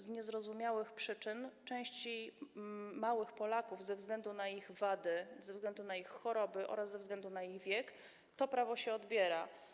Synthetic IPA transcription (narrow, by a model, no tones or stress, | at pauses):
zɲɛzɾɔzumʲjawɘxpʂɘt͡ʂɘnt͡ʂɛ̃w̃ɕt͡ɕi | mawɘxpɔlakuvzɛvzɡlɛnd̪unaiɣvad̪ɘzɛvzɡlɛnd̪unaixxɔɾɔbɘʔɔ̰ɾazzɛvzɡlɛnd̪unaiɣvʲjɛk | t̪ɔpɾavɔɕɛɔd̪bʲjɛɾa